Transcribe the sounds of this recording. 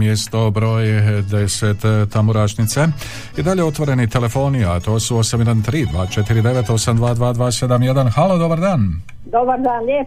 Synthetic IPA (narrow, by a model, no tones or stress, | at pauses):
mjest̪o̞bɾo̞ːjd̪e̞set̪t̪ːamuɾaːʃnit̪se | id̪aʎeo̞t̪ʋo̞ɾe̞nit̪e̞le̞fo̞ːniat̪o̞ːsuo̞samjed̪ant̪ɾiːd̪ʋaːt͡ʃe̞t̪iɾid̪e̞ʋe̞t̪o̞samd̪ʋaːd̪ʋaːd̪ʋaːse̞d̪amje̞d̪anxaːlod̪o̞baɾd̪aːn | d̪obaɾd̪aːnlʲe